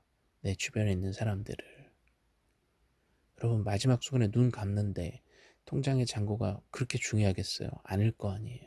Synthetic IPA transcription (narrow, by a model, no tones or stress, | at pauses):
ne̞t͡ɕubjʌɾeinːɯnsʰaɾamdɯ̰ɾɯɭ | jʌɾʌbunmad͡ʑimak̚s͈ʰoɡɯnenunkamnɯnde̞ | tʰoŋd͡ʑaŋe̞t͡ɕaŋɡoɡa̰kɯɾʌkʰet͡ɕuŋjoɦaɡe̞s͈ʌ̰jo̰a̰ɲiɭk͈ʌaɲijo